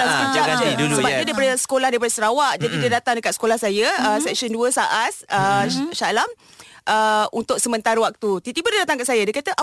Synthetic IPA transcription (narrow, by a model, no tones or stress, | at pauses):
aud͡ʒad͡ʒəbaidiəpadəsə̥kolahdijəpadəsəɾawaʔd͡ʒadidiədat̪aŋdəkat̪̚sə̥kolahsajəəsɛk̚ʃənduəsaʔat̪̚əʃalam | ʔəunt̪ʊk̚səmə̃nt̪aɾəwak̚t̪ut̪it̪ibədidat̪aŋkaʔsajadiəkat̪əʔa